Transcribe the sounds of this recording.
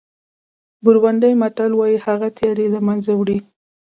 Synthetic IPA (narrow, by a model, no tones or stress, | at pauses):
bʊɾwand̪əjmaʈalwɑjihaɣat̪jɑɾelamanzawɽi